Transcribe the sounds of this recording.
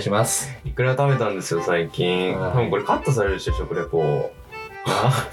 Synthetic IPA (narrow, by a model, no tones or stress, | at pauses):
ɕimasɨ̥ikɯ̟ɾaɡt̪ame̞t̪ãnd̪e̞sɨjo̞saikʲĩɴt̪abɯ̟ŋko̞ɾekat̪ːas̬aɾeɾɯɕoɕokoɾekoː | na